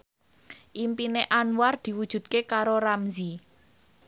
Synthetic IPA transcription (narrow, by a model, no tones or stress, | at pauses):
ʔimpineʔanward̪̥i̤wud̥ʒ̥ṳd̪̚kekaɾoɾamzi